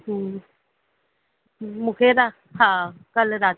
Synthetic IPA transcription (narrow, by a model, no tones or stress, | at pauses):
mũheɾa | hakaleɾa